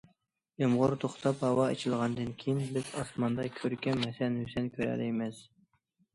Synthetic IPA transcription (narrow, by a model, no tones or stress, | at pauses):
jomʁʊɾt̪ʰoχt̪ʰɑphɑwɑḛt͡ʃʰilˠʁɑnd̪ɨnkʲʰejinlɪkʲɑsmɑnd̪ɑkʲʰøɾkʲɛmhɛsɛnhysɛnkʲʰøɾæ̰lɪmɛs